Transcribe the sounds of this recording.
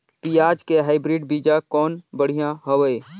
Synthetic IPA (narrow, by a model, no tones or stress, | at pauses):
piːaːd͡ʒkeɦaːɪbɾiːɖbiːd͡ʒakɔːnbəɽ̤ijãɦəʋəe